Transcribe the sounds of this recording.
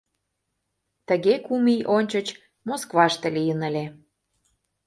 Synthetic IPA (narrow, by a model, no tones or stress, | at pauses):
t̪ə̆ɣekumijʔonʲt͡ɕət͡ɕ | moskβɑʃt̪ĕlijənə̆lʲe